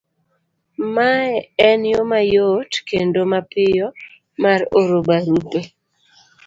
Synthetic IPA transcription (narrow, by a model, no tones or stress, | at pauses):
maɛɛnjomajotkendomapɪjɔ | maɾoɾobaɾupe